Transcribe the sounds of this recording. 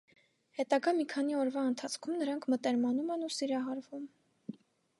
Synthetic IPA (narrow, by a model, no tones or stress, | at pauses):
hɛt̪ɑɡɑmikʰɑn̪iɔɾvɑənt̪ʰɑt͡sʰkʰumnəɾɑŋkʰmət̪ɛɾmɑnumɛnusiɾɑɦɑɾvum